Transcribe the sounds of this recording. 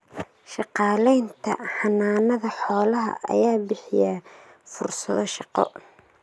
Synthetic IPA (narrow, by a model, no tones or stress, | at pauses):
ʃɑqɑːlɛjnt̪ʰɐ̰ħɑnːaːnɐðɐħɔːlɐɦɐ̰ʔɐ̰jaːbɪħɪja | fʊrsɐðɔʃɑqɔ̰